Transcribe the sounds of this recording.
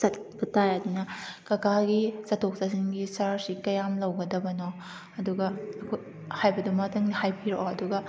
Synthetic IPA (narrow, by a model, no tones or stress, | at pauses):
sɐt̚bɐtʰajɐdunɐkɐkʰaɡisɐtʰok̚sasinɡisaɾsikɐjamlɐwɡɐdɐbɐno | ɐduɡɐɐkʰoj | hajbɐdumɐtʰɐŋnihajpʰiɾo̰ʔɐduɡɐ